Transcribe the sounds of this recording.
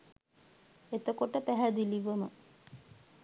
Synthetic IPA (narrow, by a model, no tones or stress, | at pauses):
et̪əkoʈəpæɦæd̪iliʋəmə